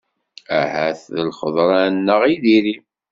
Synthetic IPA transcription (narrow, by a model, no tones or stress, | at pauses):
æhæθðəlχəðˤɾˤɑnːəʁiðiɾi